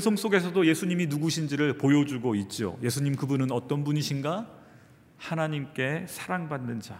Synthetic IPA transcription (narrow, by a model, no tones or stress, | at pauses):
esʰʌŋs͈oɡe̞s̬ʰʌdoje̞sʰuɲiminuɡuɕʰind͡ʑiɾɯɭpojʌd͡ʑuɡoit̚t͡ɕ͈io̰je̞sʰuɲimkɯbunɯnʌt͈ʌnbuɲiɕʰinɡa | hanaɲimk͈e̞sʰaɾaŋbanːɯnd͡ʑa